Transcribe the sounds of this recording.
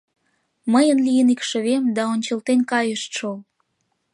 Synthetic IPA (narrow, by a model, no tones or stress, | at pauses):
məjənlijənikʃə̆βemd̪ɑonʲt͡ɕəlt̪enkɑjəʃt̪ʃo